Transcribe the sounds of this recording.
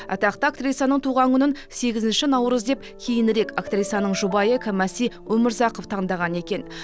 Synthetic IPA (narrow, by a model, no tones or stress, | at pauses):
ɑ̰t̪ɑqt̪əak̚t̪rʲit̪sanəɴt̪ʰuʁɑŋkʰʲʏnɪn | se̞ɡʲɪzɪnʃɪnɑwɾəzd̪e̞p̚ | kʲʰejɪnɾe̞kakt̪rʲit̪sanəɴʒubɑjəkʲʰɪmæsijwɵmɪɾzɑqoft̪ʰɑɴd̪ɑʁɑne̞kʲe̞n